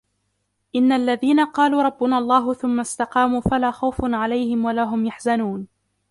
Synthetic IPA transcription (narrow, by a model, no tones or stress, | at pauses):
ʔɪnːaʔlːaðiːnaqɑːluːɾˤɑbːʊnalˤːɑːɦʊθʊmːast̪ɑqɑːmuːfalaːxawfʊnʕalajhɪmwalaɦʊmjaħzanuːn